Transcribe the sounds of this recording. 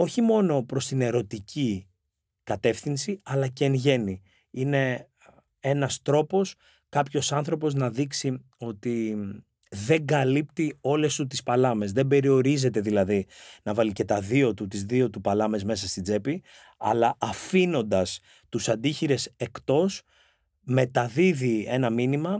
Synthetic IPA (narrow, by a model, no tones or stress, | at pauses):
o̞çimo̞no̞pɾo̞st̪ine̞ɾo̞t̪ici | kɐt̪e̞fθinsiɐlɐceːnʝe̞ni | ine̞ | e̞nɐst̪ɾo̞po̞s | kɐpço̞sɐnθɾo̞po̞znɐðiksi | o̞t̪i | ðe̞ŋɡɐlipt̪io̞le̞st̪ut̪ispɐlɐme̞zðe̞be̞ɾio̞ɾize̞t̪e̞ðilɐðinɐvɐlice̞t̪ɐðio̞t̪ut̪izðio̞t̪upɐlɐme̞zme̞sɐst̪id͡ze̞pi | ɐ̰lɐʔɐfino̞nd̪ɐs | t̪usɐnd̪içiɾe̞se̞kt̪o̞s | me̞t̪ɐðiðie̞nɐminimɐ